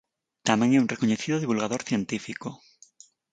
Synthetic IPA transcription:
t̪amjeŋeũŋnrekoɲeθiðoðiβulɣaðoɾθjent̪ifiko

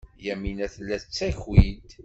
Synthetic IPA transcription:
jæminæθlːæt͡sːæçwid̪

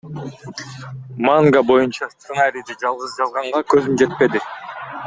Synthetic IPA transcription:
maŋɡabo̞junt͡ʃɑst̪sɨnaɾʲijd̪id͡ʒɑlˠʁɯzd͡ʒɑlˠʁɑɴʁɑkø̞zymd͡ʒe̞t̪̚pe̞d̪ɪ

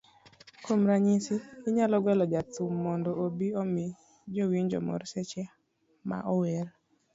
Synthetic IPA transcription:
komɾaɲisiiɲalɔɡwɛlɔd͡ʒatumːɔndɔobiɔmi | d͡ʒowiɲd͡ʒɔ̰mɔ̰ɾsɛt͡ʃɛ | ma̰ʔɔwɛɾ

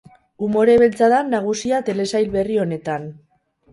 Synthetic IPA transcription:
umo̞ɾe̞βelt͡saðanːaɣ̞usiat̪e̞le̞sajlβe̞rio̞ne̞t̪an

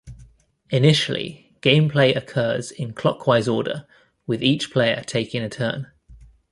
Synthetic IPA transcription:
ɪnɪʃəlḭ | ɡ̥ẽɪ̃mpʰl̥eɪʔəkʰɜːz̥ɪ̃nkʰl̥ɒkʰw̥aɪzɔːdə̰ | wɪðiˑt͡ʃpʰl̥eɪə̰tʰeɪkɪ̃ŋətʰɜ̰ːn

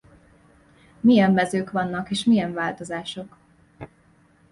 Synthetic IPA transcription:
mijɛmːɛzøːkʋɒnːɒkeːʃmijɛɱvaːlt̪o̞zaːʃo̞k

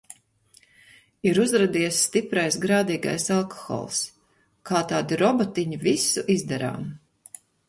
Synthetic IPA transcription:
iɾuzɾad̪iɛsːt̪ipɾajsɡɾaːd̪iːɡa̰jsalˠkɔ̥xɔ̰ːlˠs | kaːt̪aːd̪iɾɔbɔt̪iɲivisuʔizd̪ɛɾa̰ːm

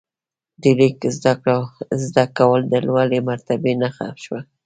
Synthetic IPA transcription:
d̪əlikzd̪akɽazd̪akawəld̪əlwalemaɾt̪abenaxa̰fʃwa

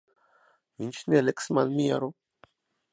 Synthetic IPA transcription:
mint͡ʃneleksmanmia̰ɾo

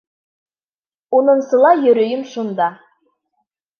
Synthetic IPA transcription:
unɤ̆ɴsɤ̆lˠɑjɵ̆ɾɵ̆jɘmʃund̪ɑ

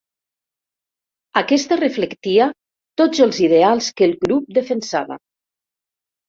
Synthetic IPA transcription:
akɛst̪ərəfləkt̪ia | t̪od͡zəlˠzið̞ealˠskəlˠɡɾup̚d̪əfənsa̰βə̰

